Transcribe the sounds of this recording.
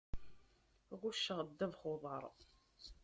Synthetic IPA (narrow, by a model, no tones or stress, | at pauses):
ʁuʃːəʁəd̪ːævχoðˤəɾˤ